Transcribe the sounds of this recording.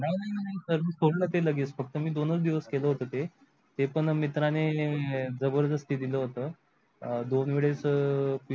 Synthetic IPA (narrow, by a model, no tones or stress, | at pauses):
najnajnajnajsəɾmiːsoɽlət̪eləɡiːt͡sfək̚t̪əmiːd̪onət͡sd̪iʋəskeləɦot̪ət̪e | t̪epəɳmit̪ɾane | d͡zəbəɾd̪əst̪iːd̪iləɦot̪əː | d̪onʋeɭet͡spi